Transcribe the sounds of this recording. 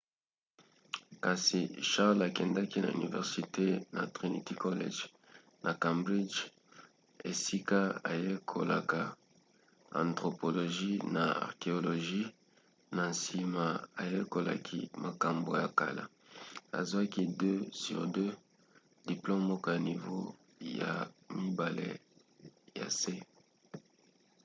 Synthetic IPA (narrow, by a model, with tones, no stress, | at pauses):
ka˨si˨ʃa˦ʁla˨kɛ˨nda˦ki˦na̰˨y̰˨nḭ˨vɛ̰˨ʁsi˨te˦na̰˨tʁi˨nḭ˨ti˦ko˦lḛ˦ʒ | nʔa˨ka˨mbʁi˦d͡ʒ | e˨si˦ka˦a̰˨je˦kʰo˨la̰˨ka˨ | ã̰˨ntʁo˨po˨lo˨ʒi˦na˨a̰˨ʁke˨o˨lo˨ʒi˦ | na˨nsi˨ma˨a˨je˦ko˨la̰˨kʰḭ˦ma˨ka˨mbo˨ja˨ka˨la̰˦ | a̰˨zwa˦ki˦dø˦sy˨ʁdø˦ | d̥i˨plo˦mːɔ˦kɔ˦ja˨ni˨vo˦ | ja̰˨mi˦ba˨lḛ˦ | ja̰˨se˦